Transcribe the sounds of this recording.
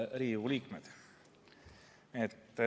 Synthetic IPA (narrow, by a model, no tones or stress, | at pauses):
ɾiːuliːkmed̪̥ | et̪ː